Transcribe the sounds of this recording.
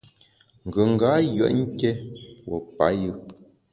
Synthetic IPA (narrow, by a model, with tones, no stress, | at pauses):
ŋ̩˨ɡə˨ŋ̩˨ɡa˨˦jə̰˨˦ʔŋ̩˦kɛ˦wɔ˨pa˨˦jɯ˦